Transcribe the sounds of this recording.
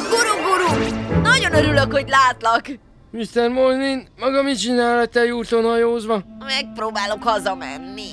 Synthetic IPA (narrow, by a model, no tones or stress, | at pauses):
ɡuɾuɡuɾunɒɟo̞nøɾyløkho̞ɟlaːt̪lɒk | mist̪ɛrmolninmɒɡɒmit͡ʃinaːlɒt̪ːɛjuːt̪o̞nhɒjoːzʋɒmɛk̚proːbaːlokhɒzɒmɛ̰nːi